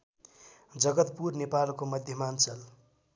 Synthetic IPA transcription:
d͡zʌɡʌt̪purnepalkomʌd̪ʱjʌmant͡sʌl

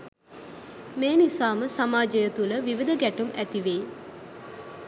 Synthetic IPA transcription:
meːnisaːməsamaːd͡ʒəjət̪uləʋiʋid̪əɡæʈumæt̪iʋeː

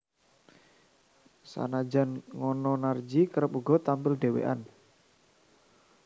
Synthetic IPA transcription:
sa̰nad͡ʒa̤nŋɔnɔnard͡ʒikəɾəpuɡɔ̤t̪ampɪlɖewḛʔa̰n

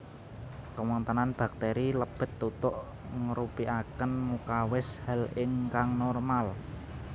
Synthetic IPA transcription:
kəwɔnt̪ənanb̥a̤k̚t̪eɾiləb̥ə̤t̪ːut̪ʊʔ | ŋəɾupiʔakənmukawɪshalɪŋkaŋnɔrmal

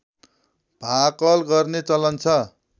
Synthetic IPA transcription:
b̥ʱakʌlɡʌrnet͡sʌlʌnt͡sʰʌ

